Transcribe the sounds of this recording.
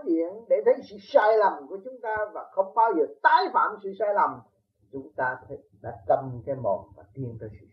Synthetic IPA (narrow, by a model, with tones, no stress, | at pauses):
ɗḭ˧˨ənɗe˧˩t̪ʰə˨˦jsɨ̰˧˨saː˧jlə˨˩mku˧˩˦ət͡ɕʊ˨˦ŋ͡mt̪aː˧vaː˨˩xə˧wŋ͡mɓaː˧wzəː˨˩t̪aː˧˩jfa̰ː˧˨msɨ̰˧˨saː˧jla˨˩m | t͡ɕʊ˨˦ŋ͡mt̪aː˧t̪ʰə˨˦jɗa̰ː˧˥kə˧mɲɨ˧˦kaː˨˦jmɔ̰˨˩nvaː˨˩t̪i˧ənt̪ə˧˩jsɨ̰˧˨